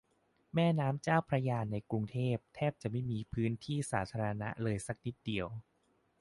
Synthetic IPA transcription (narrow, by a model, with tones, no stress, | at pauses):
mɛː˥˩naː˦˥mt͡ɕaː˥˩wpʰɾa˧jaː˧nːa˧jkɾu˧ŋt̪ʰeː˥˩p̚t̪ʰɛː˥˩p̚t͡ɕa˨˩ʔma˥˩jmiː˧pʰɯː˦˥nt̪ʰiː˥˩sa̰ː˩˦t̪ʰaː˧ɾa˧na̰˦˥ʔlɤː˧jsa˨˦˩k̚ni˦˥t̪̚di˧əw